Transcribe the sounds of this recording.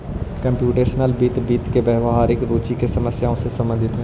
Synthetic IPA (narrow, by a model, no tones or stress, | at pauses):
kɐ̃mpjuːʈeːʃnəlbiːt̪biːt̪kebɛːʋɦaːɾɪkɾoːt͡ʃikesɐməsjaːõsesɐ̃mbənd̪ʱɪt̪ɦẽ